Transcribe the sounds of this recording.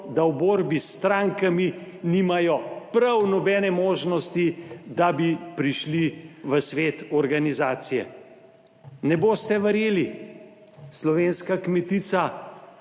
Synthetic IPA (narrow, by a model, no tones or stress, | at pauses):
d̪awboːɾbist̪ɾaːŋkami | nimajɔpɾawnɔbɛːnɛmoːʒnɔst̪id̪abipɾiʃliʋəsʋeːt̪ɔɾɡanizaːt̪sijɛ̰ | nɛboːst̪ɛʋəɾjeːli | slɔʋeːnskakmɛt̪iːt̪sa